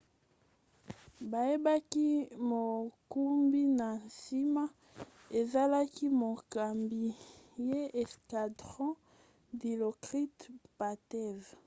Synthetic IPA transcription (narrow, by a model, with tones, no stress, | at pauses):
ba˨je˦ba˦ki˦mo˨ku˦mbi˦na˨si˦ma˦ | e˨za˦la˦ki˦mo˨ka˨mbi˨je˦ɛ˨ska˨dʁɔ̃˦ | di˨lo˨kʁi˦tpa˨tɛ˦˨v